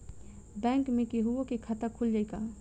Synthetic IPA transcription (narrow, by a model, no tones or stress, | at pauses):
bɛ̃ːŋkmẽkeɦuokekʰat̪əkʰuld͡ʒaːjka